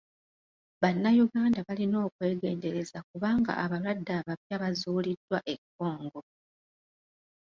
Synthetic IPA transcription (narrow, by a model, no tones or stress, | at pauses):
βanːajuɡaːndaβalino̞ːkwe̞ːɡe̞̰ːnde̞ɾe̞zakuβaːŋɡa̰ʔaβalwadːaβaβjaβazuːlidːwaʔe̞kːo̞ːŋɡo̞